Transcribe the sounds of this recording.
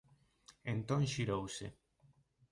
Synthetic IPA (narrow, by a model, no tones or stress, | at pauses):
ent̪õŋʃiɾowse